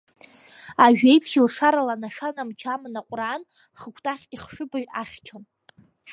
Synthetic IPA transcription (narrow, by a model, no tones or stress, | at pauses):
aʒᶣejpʰχilʂaɾalanaʂanamt͡ʃʰamɨnaqʷʼran | χəkʷʰtʼaχʲiχʂɨbaɥᶣaχʲt͡ʃʰon